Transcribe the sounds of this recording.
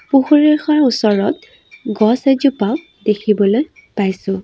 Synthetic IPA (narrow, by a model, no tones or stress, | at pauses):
puxuɹexaɹusɔɹɔt̪̚ | ɡɔsed͡ʒupawk | dekʰibɔloj | pajsʊ̃